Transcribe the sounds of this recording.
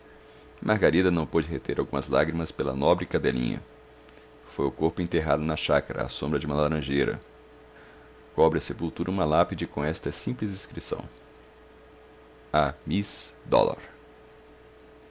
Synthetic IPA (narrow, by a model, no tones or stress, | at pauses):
mʔaɾɡaɾid̪ɐnɐ̃w̃pod͡ʒɪɦet̪eɾʔawɡũmɐzla̰ɡɾimɐspelɐ̰nɔbɾɪkad̪elḭ̃ɲɐ̰ | fojʊkoɾpʊẽnt̪eɦad̪ʊnɐʃakaɾɐ̰a̰sõmbɾɐd͡ʒɪũmɐlaɾɐ̃ʒeɾɐ̰ | kɔbɾɪɐsepulˠt̪uɾʔɐũmɐlapid͡ʒɪkõɛst̪ɐsĩmplɪziskɾisɐ̰̃w̃ | amisd̪ɔ̰la̰ɾ